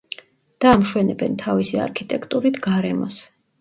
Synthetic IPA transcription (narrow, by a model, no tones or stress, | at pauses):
d̪̥aːmʃwɛnɛbɛnt̪ʰavisia̰ɾkʰit̪ʼɛkʰt̪ʼuɾit̪ʰɡaɾɛmɔs